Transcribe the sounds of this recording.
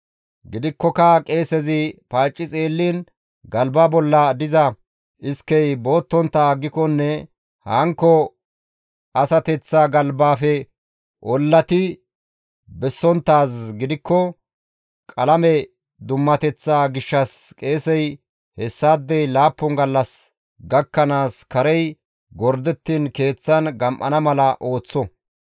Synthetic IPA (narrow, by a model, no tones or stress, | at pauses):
ɡɪd̪ɪkːɔkɐkʼe̞ːsɛzɪpaːt͡ʃʼːɪt͡sʼe̞ːlːiːn | ɡɐlbabɔlːɐd̪ɪzɐ | ʔɪskːɛjbo̞ːt̪ːɔnt̪ːaːɡːɪkɔnːɛ | hɐŋkːɔ | ɐsɐt̪ɛt͡sːaːɡɐlbaːfɛ | ʔɔlːɐt̪ɪ | bɛsːɔnt̪ːaːsɡɪd̪ɪkːɔ | kʼɐlɐmɛ | d̪ʊmːɐt̪ɛt͡sːaːɡɪʃːɐskʼe̞ːsɛj | hɛsːaːd̪ːɛjlaːpːɔŋɡɐlːɐs | ɡɐkːɐnaːskɐɾɛj | ɡɔɾd̪ɛt̪ːiːnke̞ːt͡sːɐnɡɐmʔɐ̰nɐmɐlɐʔo̞ːt͡sːɔ